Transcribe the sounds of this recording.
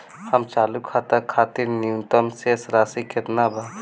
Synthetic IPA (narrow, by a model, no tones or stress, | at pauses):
hɐmt͡ʃaːlukʰaːt̪ɐkʰaːt̪iɾniut̪əmsesɾaːsikʰet̪nabʱa